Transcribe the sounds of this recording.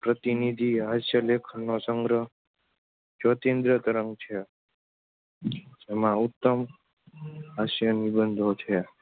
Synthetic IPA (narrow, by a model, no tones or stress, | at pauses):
pɾət̪inid̪ʱiɦaʃjəlekʰnːosəŋɡɾə | d͡ʒot̪ẽnd̪ɾət̪əɾəŋɡt͡ʃʰe | d͡ʒemãut̪ːəm | ɦaʃjənibənd̪ʱot͡ʃʰe